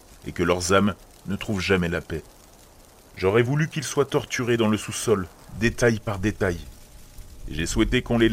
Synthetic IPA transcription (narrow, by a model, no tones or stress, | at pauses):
ḛkəlœʁzam | nət̪χuvʒamɛlapɛ | ʒɔʁɛvulykʲilswat̪ɔʁt̪yʁed̪ɑ̃ləsusɔl | d̪et̪ajpaʁd̪et̪aj | ḛʒeswɛt̪ekɔ̃le